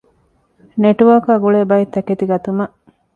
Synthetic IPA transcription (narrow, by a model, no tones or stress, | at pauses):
neʈuʋɐːkaːɡuɭeːbɐjit̪ːɐket̪iɡɐt̪umɐʔ